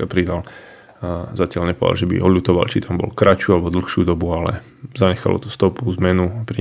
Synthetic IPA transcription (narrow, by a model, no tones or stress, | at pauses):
apɾid̪al | zacɪalɲɛpɔd̪a̰lʒɛbḭʔɔlut̪ɔʋa̰lt͡ʃit̪ʰambɔ̰lkɾat͡ʃualɛbɔd̪l̩xʃud̪ɔbualɛ̰ | zaɲɛxa̰lɔ̰t̪ɔ̥st̪ɔpuzmɛnupɾi